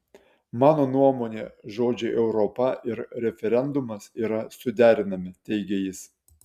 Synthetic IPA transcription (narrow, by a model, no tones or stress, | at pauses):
mɑːnoːnuɔmoːnʲḛːʒoːd͡ʒʲɛʔɛʊɾɔpɐʔɪɾɾʲɛfʲɛɾʲɛnd̪ʊmɐsiːɾɐsʊd̪ʲæːɾʲɪnɐmʲɪt̪ʲɛɪɡʲejɪs